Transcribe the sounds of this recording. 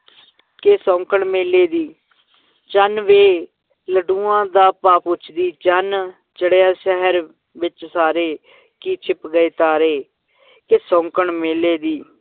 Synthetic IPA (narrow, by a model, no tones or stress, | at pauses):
kesɔ̃ːŋkəɳmeːleːd̪iː | t͡ʃənʋeː | ləɖuːãːd̪aːpaːpʊt͡ʃʰd̪iːt͡ʃən | t͡ʃəɽejaːʃəɦəɾ | ʋɪt͡ʃsaːɾeː | kiːt͡ʃʰɪpɡəeːt̪aːɾeː | kesɔ̃ːŋkəɳmeːleːd̪iː